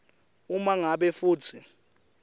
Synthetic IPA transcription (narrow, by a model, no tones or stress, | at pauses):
umaŋaɓɛfuːt͡sʰi